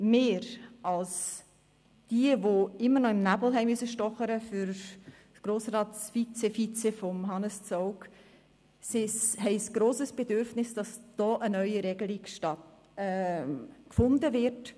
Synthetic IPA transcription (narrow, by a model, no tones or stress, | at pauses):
meːɾɑls | d̥iəvoɪmːənɔɪmnæbl̩ɦɛɪmysəʃtɔχəɾəfyɾ | sɡ̥ɾoːsrɑːtsfit͡sefit͡sɛfɔmɦɑnəst͡soʊk | sɪshɛɪsɡ̥ɾoːsəsb̥edʏɾfnɪsd̥ɑsd̥ɔːʔənœʏiɾɛɡəlikʃtɑt | ɛ | kfʊndəvɪt